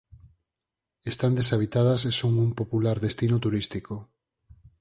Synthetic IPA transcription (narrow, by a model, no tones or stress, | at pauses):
est̪and̪esaβ̞it̪að̞asesoŋumpopulaɾðest̪inot̪uɾist̪iko